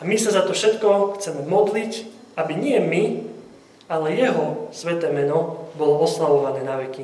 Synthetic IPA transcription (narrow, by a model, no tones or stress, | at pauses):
amisazat̪ɔfʃɛt̪kɔxt͡sɛmɛmɔd̪lic | abiɲɪɛmi | alɛjɛɦɔsʋɛt̪ɛːmɛnɔbɔlɔɔslaʋɔʋanɛːnaʋɛki